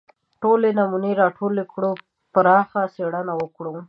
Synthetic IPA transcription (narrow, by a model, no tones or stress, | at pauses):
ʈolenamuneɾɑʈʰolekɽo | paɾɑxaseɽanawəkɽo